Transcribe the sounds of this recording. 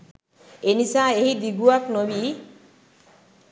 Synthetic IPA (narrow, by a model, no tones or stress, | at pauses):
enisaeɦid̪iɡuaknobi